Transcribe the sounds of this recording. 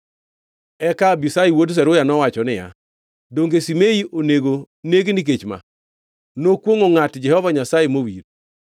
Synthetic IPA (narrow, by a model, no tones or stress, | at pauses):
ɛkabisajiwods̬ɛɾʊjanɔwat͡ʃɔnɪja̰ | doŋɡesimeiʔoneɡo | neɡnik̬et͡ʃma̰ | nokwoŋoŋatd͡ʒɛhɔvaɲasajemowiɾ